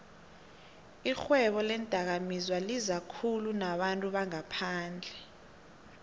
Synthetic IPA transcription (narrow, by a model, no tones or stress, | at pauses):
ixwɛɓɔlɛnd̥ʼʱak̬amizwalizakʰulunaɓantʼuɓaŋapʰaːnd͡ɮʱɛ